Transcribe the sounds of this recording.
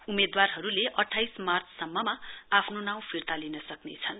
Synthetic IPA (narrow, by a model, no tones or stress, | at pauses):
umed̪warɦʌɾuleʔʌʈʰajsmart͡sʰsʌmːʌmaapʰnonaw̃pʰirt̪alinʌsʌknḛt͡sʰʌn